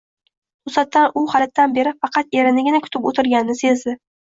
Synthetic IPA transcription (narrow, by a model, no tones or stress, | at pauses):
ʊsat̪ːanʊχalat̪ːanbe̞ɾɪfɑqʰɑt̪e̞ɾɪnɪɡʲɪnakʰʊ̥t̪ʰɪpot̪ʰɪɾɡʲannɪse̞zd̪ɪ